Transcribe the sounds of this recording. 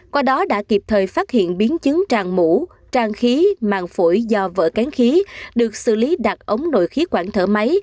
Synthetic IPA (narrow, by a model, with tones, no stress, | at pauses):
kwaː˧ɗɔ˨˦ɗa̰ː˧˥ki˨˩p̚t̪ʰəː˨˩jfaː˦˥t̚hḭ˧˨ənɓi˨˦ənt͡ɕɨ˨˦ŋt͡ɕaː˨˩ŋmṵ˧˩ | t͡ɕaː˧˩ŋxi˨˦ma̰ː˧˨˩ŋfu˧˩jzɔ˧və̰ː˧˨˩ka˨˦ŋxi˨˦ɗɨ˨˩ək̚sɨ̰˧˨li˨˦ɗa˨˩t̚ʔə˨˦wŋ͡mno̰˧˨jxi˨˦kwaː˧˩ŋt̪ʰə̰ː˧˩ma˨˦j